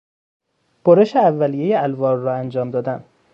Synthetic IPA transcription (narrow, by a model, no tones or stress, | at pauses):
b̥oɾeʃeævːælijejeælvɒːɾːɒːænd͡ʒɒːmd̪ɒːd̪æn